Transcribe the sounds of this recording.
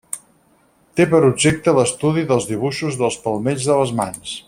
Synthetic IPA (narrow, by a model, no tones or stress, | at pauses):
t̪epəɾubʒek̚t̪ələst̪uðiðəlˠzðiβ̞uʃuzðəlˠspəlˠmeʎzðələzma̰ns